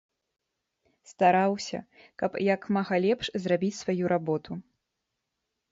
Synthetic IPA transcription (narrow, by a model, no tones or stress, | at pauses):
st̪aɾawsʲɐ̰ | kɐpjakmaɣɐlʲɛpʂzrabʲit͡sʲsvajuɾʔabɔt̪u